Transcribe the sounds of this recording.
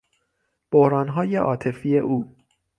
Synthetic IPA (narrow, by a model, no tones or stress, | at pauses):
b̥ohɾɒːnɦɒːjeʔɒ̰ːt̪ʰe̞fiːje̞ʔuː